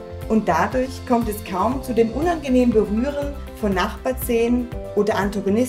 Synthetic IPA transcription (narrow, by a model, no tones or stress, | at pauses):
ʔʊnt̚d̥adʊɐçkʰɔmtɛskʰaʊmt͡sudeːmʔʊnanɡəneːmənbəʁyːʁ̞ən | fɔnːaχb̥aːɐt͡seːnənʔoːdɐʔantaɡonɪs